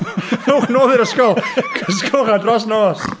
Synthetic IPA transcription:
owχnoːðɪɾəskɔlˠkʰɔs̬kʰɔlˠχadrɔs̬noːs

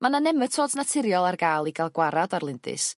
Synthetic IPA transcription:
mananɛmətʰoːdnatʰɪɾjɔlˠarɡaːlˠiɡalˠɡwaɾadarlˠɪndɨ̰s

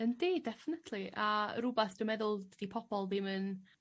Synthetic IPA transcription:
əndiːdɛfɪnətʰliʔa̰ɾubaθd̥ʊmɛðʊlˠdd̥ipʰɔpʰɔlˠðɪmən

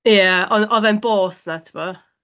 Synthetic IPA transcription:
jaɔnɔðɛnboːθnatʰɪmɔ

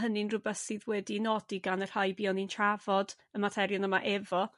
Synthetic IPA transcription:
ɦənɨnrʊbɛθsiðwɛdinɔdiɡanər̥hajbiːɔnintʰravɔd̥ | əmatʰɛɾjɔnəmaʔɛvɔ

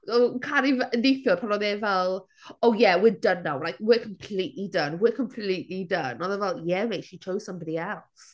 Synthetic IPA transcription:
okʰaɾivənejθjɔpʰanɔðɛvɛlˠ | oːjɛwɪdənːawlajk̚wɪkʰəmpʰl̥iʔlidənwɪkʰə̃mpʰl̥iʔlidənɔðəvɛlˠjɛvejʃit͡ʃʰowz̥sʌ̃mbɔdiɛlˠs

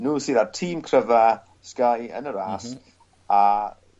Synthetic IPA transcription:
nuːsiðartʰiːmkʰrəva | skajə̰nəɾaːs | a

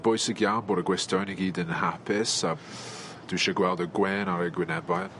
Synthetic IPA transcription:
b̥ɔjsəɡjawnbʊɾəɡwɪstownɪɡiːdənhapʰɪs | d̥uʃəɡwɛlˠdəɡwɛːnaɾɛɡwɪnɛbajə

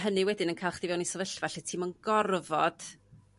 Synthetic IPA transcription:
ɦənɨwɛdɪnənkʰajlˠχd̥ɪvɛwnisəvəɬvaɬɛtʰiːmɔnɡɔrvɔd̥

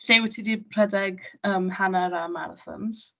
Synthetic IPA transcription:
ɬewtʰidipʰr̥ɛdɛɡəːmhanaɾamaɾθɔ̰nz̥

